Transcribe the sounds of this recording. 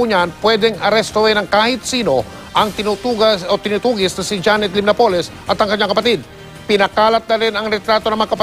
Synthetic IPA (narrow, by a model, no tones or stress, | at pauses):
uːɲanpwɛd̪ɛŋɐɾɛst̪oɛnɐŋkaːhɪt̪̚siːno̞ | ʔɐŋt̪ɪnut̪uot̪ɪnuːt̪uːɡɪsnɐsɪd͡ʒanɛt̪̚lɪmnɐpo̞lɛsʔɐt̪ɐŋkɐɲːaŋkɐpɐt̪ɪd̪̚ | pɪnɐkaːlɐt̪̚nɐɾɪnɐŋɾɛt̪ɾaːt̪o̞nɐŋmɐŋakɐp